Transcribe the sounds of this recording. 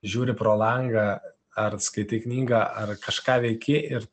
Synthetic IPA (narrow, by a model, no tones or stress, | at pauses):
ʒʲuːɾʲɪpɾoːlˠɐŋɡɐ | ɐrskɐɪt̪ʲɪknʲiːɡɑʔɐrkɐʃkɑːʋʲɛɪkʲɪʔɪɾ